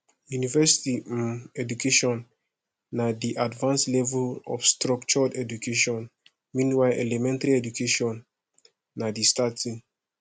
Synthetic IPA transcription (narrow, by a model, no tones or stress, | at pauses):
junivɛsi̥timɛdukeʃɔ̃nː | adiʔadvãnslɛvulɔ̰fstɾɔkt͡ʃɔdɛdukeʃɔ̃n | mĩnwaɪʔɛ̰lɛmɛ̃ntaɾiɛdukʰeʃɔ̃nː | adistatĩŋ